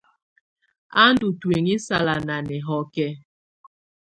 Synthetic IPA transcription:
a˦n˦du˨twe˨ŋi˦sa˨la˨na˨nɛ˨ɦɔ˦kɛ˦

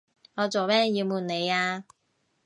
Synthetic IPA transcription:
ŋɔː˨˧t͡so˨wmɛː˥ŋjiː˧wmuː˨˩nne˨˧jaː˧

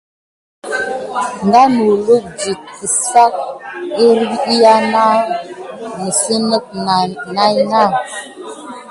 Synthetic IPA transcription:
ŋ˨ɡa˦no˨lu˦d͡ʒi˨t̚ə˨sa˦k̚e˦ɾi˦ja˦na˦ | nə˨sə˦nə˦k̚na˦jna˦˨

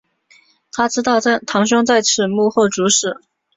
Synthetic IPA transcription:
t̪ʰa˥ʈ͡ʂɻ̩˥t̪ɑ˥˧ʊ˥t̪ʰɑ˧˥ŋɕʊ˥ŋt͡sa˥˧ɪʈ͡ʂʰɻ̩˨˩mu˥˧xɔ˥˩ʈ͡ʂu˧˥ʂɻ̩˨˩˦

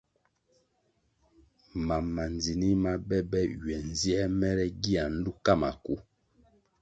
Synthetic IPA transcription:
ma˨mːa˨nd͡zi˨ni˦ma˦bɛ˦bɛ˦ɥɛ˨n˨zi˦ɛ˦mɛ˦ɾɛ˦ɡi˦a˨n̩˦du˦ka˦˨ma̰˨ku˦

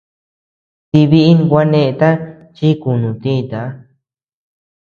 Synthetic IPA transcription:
t̪i˧βi˧ʔi˦n˧kʷa˦nẽ˧t̪a˦ | t͡ʃi˦ku˨nũ˨t̪ĩ˦˧t̪a˨˧˦

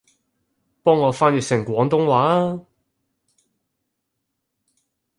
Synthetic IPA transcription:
pɔː˥ŋːɔː˨˧faː˥njɪ˨k̚sɪ˨˩ŋkʷɔː˨˧˥ŋt̪ʊ˥ŋwaː˨˥

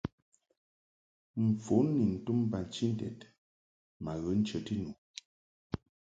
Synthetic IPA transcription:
m̩˨p͡fu˨˦nːi˨n̩˨tu˦m˦ba˨n˨t͡ʃi˦n˦tɛ̰˨t | ma˨ɣə˨˦n̩˦t͡ʃə˨ti˦nu˨

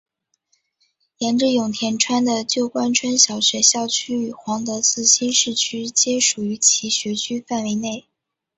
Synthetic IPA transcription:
jɛ˧˥nʈ͡ʂɻ̩˥˩jʊ˨˩ŋt̪ʰjɛ˧˥nʈ͡ʂʰwa˥nd̪ə˨t͡ɕjo˥˩ʊkwa˥nʈ͡ʂʰwa˥nɕjɑ˨˩ʊɕɥɛ˧˥ɕjɑ˥˩ʊt͡ɕʰy˥y˨˩xwɑ˧˥ŋt̪ɤ˧˥t͡sɹ̩˥˧ɕi˥nʂɻ̩˥˩t͡ɕʰy˥t͡ɕjɛ˥ʂu˨˩y˧˥t͡ɕʰi˧˥ɕɥɛ˧˥t͡ɕʰy˥fa˥˩nwe˧˥ɪne˥˩ɪ

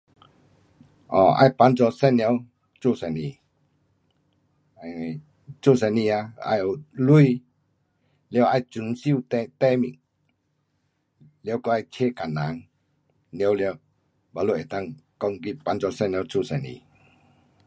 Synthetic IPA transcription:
ʔɔ˨ʔa̰˧jpa˨˧˦nzɔ˧sɛ˧˨njw | t͡ɕo˧˨sɛ˨ni˨ | t͡ɕo˥˧˨sɛ˧˨ni˧a˧a̰˧jo˨lu˧i | le˧˦ʔa˧jt͡ɕu˨˦nsi˧˨t̪ɛ˧t̪ɛ˧˨mi˧˨ŋ | le˧˦kɔ˧ʔa˧jt͡ɕʰe˧˨ka˨na˨˦ŋ | njwljw | ba˧lu˧˨ʔe˨t̪a˧˨ŋkɔ˧ŋɡi˧˨t̚pa˨˧nzɔ˧sɛ˧˨n˧ə˧˦wt͡su˧˨sɛ˨nḭ˨˧˨

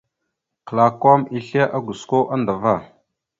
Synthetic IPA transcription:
kla˨ko˦mi˦ɬe˦ʔa˦ɡu˨sko˦ʔa˦nda˨va˦˨

